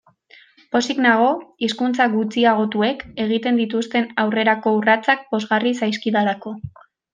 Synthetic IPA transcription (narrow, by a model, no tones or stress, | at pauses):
po̞siɡnaɣ̞o̞iskunt͡saɣut͡siaɣ̞o̞t̪ue̞ke̞ɣ̞it̪e̞nd̪it̪ust̪e̞nawre̞ɾako̞urat͡sak̚bo̞zɣarisajskiðaɾako̞